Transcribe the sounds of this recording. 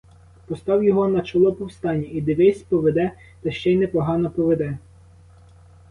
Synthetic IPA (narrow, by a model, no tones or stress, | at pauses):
pɔst̪ɑwjɔɦɔnɐt͡ʃɔlˠɔpɔwst̪ɑnʲːɐid̪ɪʋɪsʲpɔʋed̪ɛ | t̪ɐʃt͡ʃɛjnɛpɔɦɑnɔpɔʋed̪ɛ